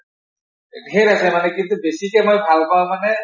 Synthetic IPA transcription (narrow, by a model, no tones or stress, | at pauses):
eɾasɛmanɛkint̪ubesikɛmojbʱalpaʊ̃manɛ